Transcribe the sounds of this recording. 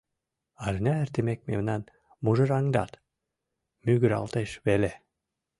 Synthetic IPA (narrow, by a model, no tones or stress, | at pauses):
ɑʒnʲɑɘɾt̪emek̚mḛmnɑn | muʒɤ̆ɾɑŋd̪ɑ̰t̪ | myɡɘɾɑ̰lˠt̪eʃβele